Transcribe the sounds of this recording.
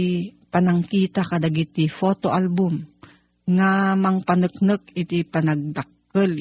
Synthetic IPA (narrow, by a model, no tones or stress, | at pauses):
pɐnɐŋkiːt̪akɐd̪ɐɡit̪ifot̪oʔalbʊm | ŋamɐŋpanək̚nɨk̚ɪt̪ipɐnɐɡ̚d̪ak̚ː | əl